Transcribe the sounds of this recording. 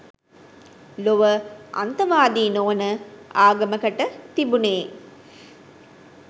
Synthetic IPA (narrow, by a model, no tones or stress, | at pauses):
loʋəʔɐ̰nt̪ɐʋaːd̪iːnoʋnəaːɡɐmɐkɐʈət̪ibuneː